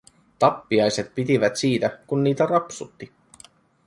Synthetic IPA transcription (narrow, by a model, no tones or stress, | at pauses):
t̪ɑpːiɑjse̞t̪pit̪iʋæt̪siːt̪ækunːiːt̪ærɑpsut̪ːi